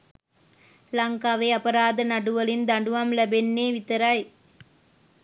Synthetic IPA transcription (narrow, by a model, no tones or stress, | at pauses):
lɐŋkaʋɐɪɐpɐɾaːðɐnɐɽɯʋɐlɪnd̪ɐɳɖɯʋɐmlɐbɛnːeːʋɪt̪ːɐɾaːj